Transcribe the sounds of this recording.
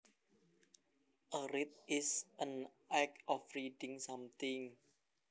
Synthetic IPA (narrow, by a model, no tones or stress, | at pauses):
ʔəɾit̪̚ɪsʔənʔakɔfɾidɪ̃ŋsãmt̪ɪŋ